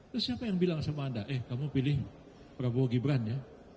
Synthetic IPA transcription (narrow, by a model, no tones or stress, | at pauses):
t̪ʊsːiapajaŋbilaŋsamadaʔɛhkamupilɪh | pəɾabuaɡibɾanja